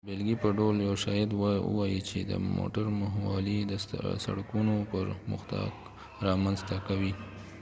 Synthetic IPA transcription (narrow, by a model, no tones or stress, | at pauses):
belɡipəɖoljawʃɑjɪd̪wɑə̰wɑjit͡ʃed̪ə̰mo̰ʈaɾməɦwɑlid̪əsa̰ɽakunopəɾmʊ̰xt̪ɑ̰k | ɾɑmanzt̪akawi